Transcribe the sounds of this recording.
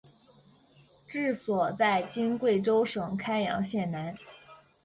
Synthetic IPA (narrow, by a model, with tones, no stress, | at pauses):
ʈ͡ʂɻ̩˥˩swɔ˨˩t͡sa˥˩ɪt͡ɕi˥nkwe˥˩ɪʈ͡ʂo˥ʊʂɤ˨˩ŋkʰa˥ɪjɑ̰˧˥ŋɕjɛ˥˩nna˧˥n